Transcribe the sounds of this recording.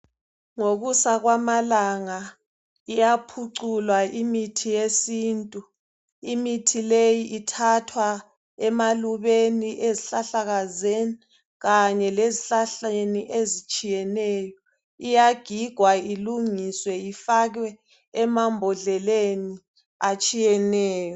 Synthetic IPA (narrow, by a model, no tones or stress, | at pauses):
ŋoɣusaɣwamalaŋa | ijapʰuǀulwaʔimitʰijesiːntʼu | imitʰilejiʔitʰatʰwa | ɛmaluβeniʔeziɬaɬaɣazeni | ɣaɲɛleziɬaɬeniʔezit͡ʃʼijɛnɛːjɔ | ijaɡ̥ʱiɡ̥ʱwailuŋiswɛifaɣwɛ | ɛmambʱɔɮɛleni | at͡ʃʼijɛnɛːjɔ